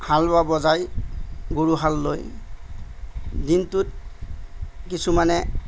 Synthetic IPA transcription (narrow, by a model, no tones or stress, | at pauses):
halbabɔzajɡuɹuɦalːoj | dintut̚ | kisumanɛ